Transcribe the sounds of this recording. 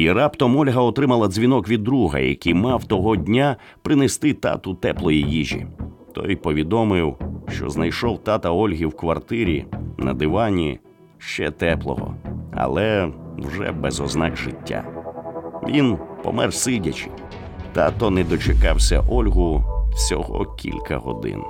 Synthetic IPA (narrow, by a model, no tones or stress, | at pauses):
iɾɑpt̪ɔmɔlʲɦɐɔt̪ɾɪmɐlˠɐzʲʋʲinɔkʋʲid̪ːɾuɦɐ̰jɐ̰kʲijmɑwt̪ɔɦɔdʲnʲa | pɾɪnɛst̪ɪt̪ɑ̰t̪ʊt̪ɛplˠɔjijiʒʲḭt̪ɔ̰jpɔʋʲid̪ɔmɪwʃt͡ʃɔ̰znɐjʃɔwt̪ɑt̪ɐɔlʲɦiwkʋɐrt̪ɪɾʲḭnɐ̰d̪ɪʋɑnʲi | ʃt͡ʃɛ̰t̪ɛplˠɔ̰ɦɔ̰ɐ̰lˠɛwʒɛ̰bɛzɔznɑkʒɪtʲːa̰ | ʋʲinpɔ̰mɛrsɪdʲɐt͡ʃɪ̥ | t̪at̪ɔnɛd̪ɔt͡ʃekɑwsʲɐ̰ʔɔlʲɦʊsʲɔ̰ɦɔ̰kʲʰḭlʲkɐ̰ɦɔ̰d̪ɪ̰n